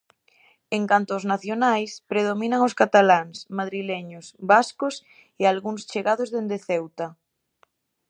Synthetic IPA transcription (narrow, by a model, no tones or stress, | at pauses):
eŋkant̪oːznaθjonajspɾeð̞omĩnaŋoskat̪alaŋsmaðɾilɛɲosβaskos | ealɣuŋst͡ʃeɣaðozðend̪eθɛwt̪a